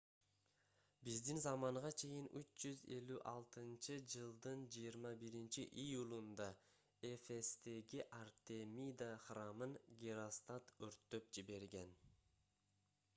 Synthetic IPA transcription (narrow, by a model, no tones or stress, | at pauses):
bizd̪inzɑmɑɴʁɑt͡ʃʰe̞jinʔyt͡ʃd͡ʒyze̞lyʔɑlˠt̪ɯnt͡ʃɯd͡ʒɯlˠd̪ɯnd͡ʒijiɾmɑbiɾint͡ʃiʔijulˠund̪ɑ | efe̞st̪e̞ɡiʔart̪e̞mʲid̪aχrɑmɯnɡʲiɾost̪at̪øɾt̪ːø̞p̚d͡ʒiβe̞ɾɡe̞n